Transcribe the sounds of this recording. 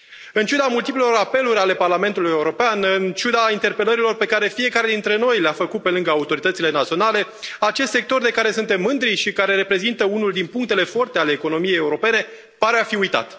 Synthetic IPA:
ɨnt͡ʃud̪amult̪iplelo̞ɾape̞luɾʲale̞parlame̞nt̪uluje̞uɾo̞peanɨnt͡ʃud̪aint̪e̞rpe̞ləɾilo̞rpe̞kaɾe̞fie̞kaɾe̞d̪int̪ɾe̞no̞jleafəkut̪̚pe̞lɨŋɡəaut̪o̞ɾit̪ət̪sile̞nat̪sio̞nale̞ | at͡ʃe̞st̪sek̚t̪o̞rd̪e̞kaɾe̞sunt̪emːɨnd̪ɾiʃikaɾe̞ɾe̞pɾe̞zint̪əunuld̪inpuŋk̚t̪e̞le̞fo̞rt̪eale̞ːko̞no̞mijejeuɾo̞pe̞ne̞ | paɾeafiujt̪a̰t̪

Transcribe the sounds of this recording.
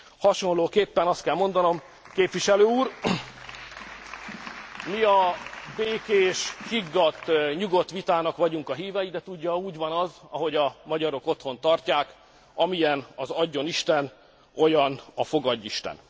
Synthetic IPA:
hɒʃo̞nloːkeːpːɛnɒst̪̚kɛlmo̞nd̪ɒno̞m | keːpvʋiʃɛløːuːr | miɒbeːkeːʃkiɡːɒt̪ːɲuɡo̞t̪ʋit̪aːnɒkʋɒɟuŋkɒɦiːvɛjid̪ɛt̪uɟːɒuːɟvɒnɒzɒɦo̞ɟɒmɒɟɒɾo̞ko̞t̪ho̞nt̪ɒrcaːk | ɒmijɛnɒzɒɟːo̞niʃt̪ɛn | o̞jɒnɒfo̞ɡɒɟːiʃt̪ɛ̰n

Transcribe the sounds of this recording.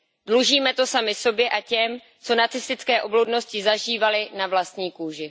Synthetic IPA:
dluʒiːmɛt̪o̞samɪso̞bjɛʔacɛm | t͡so̞nat͡sɪst̪ɪt͡skɛːʔo̞blowdno̞scɪzaʒiːvalɪnavlast̪ɲiːkuːʒɪ

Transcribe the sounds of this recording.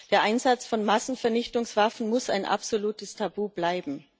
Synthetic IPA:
d̥eːɐʔaɪnzat͡sfɔnmasn̩fɛɐnɪçtʊŋsv̥afn̩mʊsa̰ɪnʔa̰pz̥oluːtəstʰabuːblaɪbm̩

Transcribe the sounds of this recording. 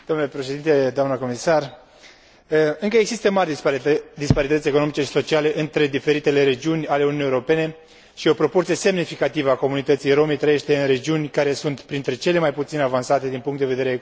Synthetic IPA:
d̪omnulepɾeʃe̞d̪int̪e̞d̪oamnəko̞misar | ɨŋkəeɡzsist̪əmarʲd̪ispaɾit̪ət̪sʲe̞koo̞mit͡ʃe̞ʃi̥so̞t͡ʃiale̞ʔɨnt̪ɾe̞d̪ife̞ɾit̪e̞le̞ɾe̞d͡ʒiunʲale̞ununiːeoɾope̞ne̞ | ʃio̞pɾo̞port̪sije̞se̞mnifikat̪ivəako̞munit̪ət̪sijɾo̞mejt̪ɾəjeʃt̪e̞ɨnɾe̞d͡ʒiunʲkaɾe̞sunt̪pɾint̪ɾe̞t͡ʃe̞le̞majput̪sinavansat̪e̞d̪inpuŋkt̪d̪eve̞d̪eɾee

